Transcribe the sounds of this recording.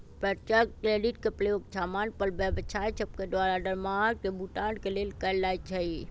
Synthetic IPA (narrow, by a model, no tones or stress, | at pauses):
pɾət͡ʃəkkɾeːɖiʈkeplejokt͡ʃʰaːmaːnpəlbəbət͡ʃʰajt͡ʃʰəb̚ked̪ʋaɾaɖəɾmaːɡ̚kebʱuʈaːɖkeleːlkəlaːjt͡ʃʰəi